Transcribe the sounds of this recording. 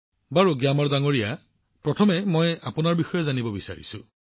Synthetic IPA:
baɹuɡjamɔɹdaŋoɹija | pɹɔtʰɔmɛmɔjapʊnaɹbixɔjɔzanibɔbisa̰ɹḭsʊ̰̃

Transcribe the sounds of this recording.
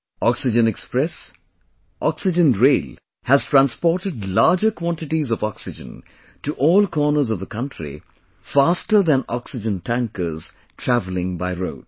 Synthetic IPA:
ɔksɪd͡ʒə̃nɛkspɹɛs | ʔɔksɪd͡ʒə̃nɹeɪl | hæz̥tɹæ̃nspɔɾʈɨɖlaːd͡ʒəkʰwɔ̃ntɪʈizɔvɔksɪd͡ʒə̰̃n | tuʔɔːlkʰɔːnə˞zʌvðəkʰʌ̃ntʰɹḭ | fastə˞ðæ̃nɔksɪd͡ʒə̃ntʰæ̃ŋkəz̥ | tʰɹævlɪ̃ŋbaɪɹo̰ʊd̥̚

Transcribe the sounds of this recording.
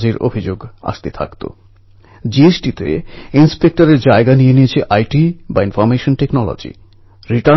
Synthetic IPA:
d͡ʑeɾʔo̰bʱid͡ʑoɡa̰ʃt̪et̪ʰa̰kt̪o̰ | d͡ʑiesʈit̪ḛinspek̚ʈaɾeɾd͡ʑaeɡanijenijet͡ɕʰeʔajʈibainfɔɾmeʃonʈeknɔlo̰d͡ʑḭ | ɾiʈa

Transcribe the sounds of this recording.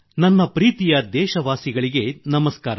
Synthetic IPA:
nɐnːɐpɾiːt̪ijɐd̪ɛːʃɐʋaːsiɡɐɭiɡe̞nɐmɐskaːɾa

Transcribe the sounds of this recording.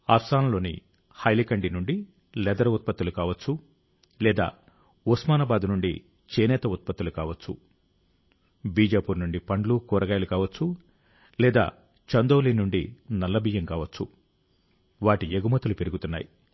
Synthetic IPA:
aːpst̪aːnɐlo̞ːnḭ | hɐjlikɐɳɖinuɳɖi | lɛd̪ɐɾɐut̪̚pɐt̪ːulukaːʋɐt͡ʃːu | lɛːd̪a̰ː | usmaːnɐbaːd̪nuɳɖḭ | t͡ʃeːnɛːt̪ɐut̪̚pɐt̪ːulukaːʋɐt͡ʃːṵ | biːd͡ʒaːpuːɾnuɳɖipɐɳɖlukɔːɾɐɡaːjɐlukaːʋɐt͡ʃːu | lɛːd̪a̰ː | t͡ʃɐnd̪oːliːnuɳɖinɐlːɐbiːjɐmkaːʋɐt͡ʃːu | ʋaːʈieɡumɐt̪ːulupe̞ɾuɡut̪unːa̰ːji

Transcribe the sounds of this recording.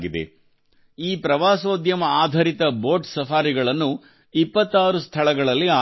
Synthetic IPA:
ɡid̪ḛ | iːpɾɐʋaːsʋoːd̪jɐmɐaːd̪ʱɐɾit̪ɐbo̞ːɾʈsɐfaːɾiɡɐɭɐnːu | ipːɐt̪ːaːɾust̪ʰɐɭɐɡɐɭɐlːiaː

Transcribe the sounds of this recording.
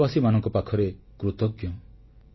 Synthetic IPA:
basimanɔŋkɔpakʰɔɾe | kɾut̪ɔkjɔ̃

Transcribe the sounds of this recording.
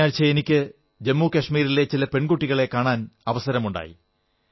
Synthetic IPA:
aːlt͡ɕːɐenikʲːɨ | d͡ʑemːuːkɐʂmiːɾilet͡ɕilɐpe̞ɳkuʈːiɣɐɭe̞kːaːɳaːnɐʋɐsɐɾɐmuɳɖa̰ːjḭ

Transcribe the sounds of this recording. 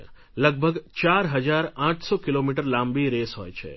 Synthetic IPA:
ləɡ̚bʱəɡt͡ʃaɾɦəd͡ʒaɾãʈʰsokilomiʈəɾlãmbiɾesɦo̰jt͡ʃʰḛ

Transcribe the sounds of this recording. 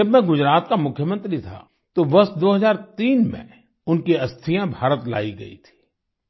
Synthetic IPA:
ɐbmɛ̃ɡʊd͡ʒɾaːt̪kamʊkʰjəmə̃nt̪ɾit̪ʰa̰ | t̪oʋɐsd̪oːɦɐzaːɾt̪iːnmḛ̃ | ʊnkiɐst̪ʰijãbʱaːɾət̪la̰ːiɡɐ̰ḭt̪ʰi̥ː

